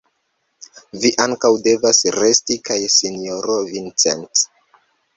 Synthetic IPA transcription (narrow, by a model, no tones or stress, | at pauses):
viʔaŋkawde̞vasɾe̞stikajsinjoɾovint͡sḛnt͡s